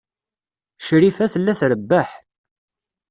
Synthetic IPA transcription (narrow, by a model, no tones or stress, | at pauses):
ʃɾifæθəlːæθɾəbːəħ